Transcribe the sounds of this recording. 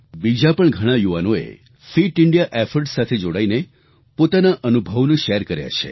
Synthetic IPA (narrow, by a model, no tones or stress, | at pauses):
bid͡ʒapəɳɡʱəɽ̃ajuʋanoḛ | fiʈɪɳɖijaʔefəɾʈsat̪ʰed͡ʒoɽaine | pot̪anaʔənubʱəʋnũʃeɾkəɾja̰t͡ʃʰḛ